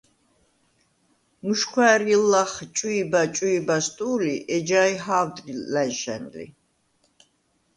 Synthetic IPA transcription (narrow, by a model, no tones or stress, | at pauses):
muʃkʰwæːɾilːaχt͡ʃʼuibat͡ʃʼuibast̪ʼuːliʔɛd͡ʒaːjɦaːwd̪ʼɾilænʃɛ̰nlḭ